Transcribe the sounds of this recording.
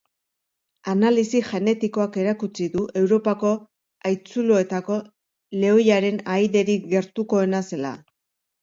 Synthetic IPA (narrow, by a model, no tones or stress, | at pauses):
analisiʝe̞ne̞t̪iko̞ake̞ɾakut͡siðuʔe̞wɾo̞pako̞ | ajt͡suloet̪ako̞ | le̞ojaɾe̞najðe̞ɾiɣe̞ɾt̪uko̞e̞nase̞la̰